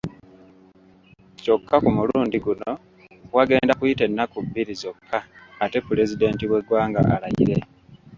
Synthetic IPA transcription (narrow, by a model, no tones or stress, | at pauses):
co̞kːakumuluːndiɡuno̞ | waɡe̞ːndakujite̞nːakubːiɾizo̞kʰːaːte̞pule̞zide̞ːntiβwe̞ɡwaːŋɡa̰ʔa̰lajḭɾe̞